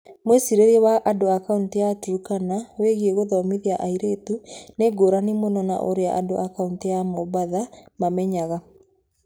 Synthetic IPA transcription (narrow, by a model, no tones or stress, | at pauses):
mwesiɾeɾiɛwaʔadoakauntijatuɾukanaweɣieɣoðɔmiðiaʔaiɾetuneɡoɾanimonɔna̰ʔo̰ɾeaʔa̰doʔakauntijamɔbaðamamɛɲaɣa